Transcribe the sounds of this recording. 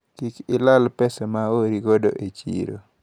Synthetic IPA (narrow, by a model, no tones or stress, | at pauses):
kikɪlalpɛsɛmaoɾiɡodo̰ʔet͡ʃḭɾo̰